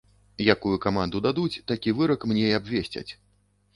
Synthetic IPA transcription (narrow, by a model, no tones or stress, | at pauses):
jakujukamand̪ud̪ad̪ut͡sʲt̪akʲivɨɾɐkmnʲejabʲvʲesʲt͡sʲɐ̰t͡sʲ